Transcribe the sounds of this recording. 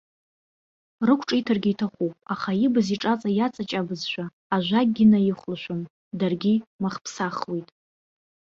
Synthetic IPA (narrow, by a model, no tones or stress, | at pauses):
rɨkʷʰʈ͡ʂʼijtʰarɡʲijtʰaχupʼaχajibɨziʈ͡ʂʼat͡sʼajat͡sʼat͡ʃʼabɨzʃʷᶣaː | ʒʷaɡʲɪnajɪχʷlʃʷᶣom | darɡʲimaχpʰsaχlijtʼ